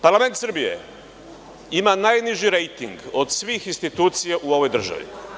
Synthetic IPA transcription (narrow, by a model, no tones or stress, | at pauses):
paɾlˠame̞nt̪sr̩bije̞̰ | imanajniʒiɾejt̪ḭŋɡod̪sʋixinst̪it̪uːt̪sijaʔuo̞ʋo̞jd̪r̩ʒa̰ʋḭ